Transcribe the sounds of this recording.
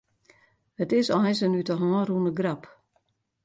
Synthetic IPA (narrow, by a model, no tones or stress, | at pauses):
ətɪsɔɛs̬ənytəɦɔ̃ːrunəɡrap